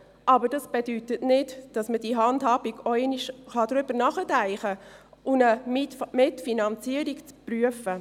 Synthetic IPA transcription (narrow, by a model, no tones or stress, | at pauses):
ʔɑbəɾd̥ɑsb̥ed̥ytətnɪtd̥ɑsməd̥iɦɑndhɑːb̥iɡɔɛniʃχɑd̥ɾʏb̥əɾnɑχətæɪχəʔʊnəmɪtfinɑnt͡siəɾikt͡spryəfə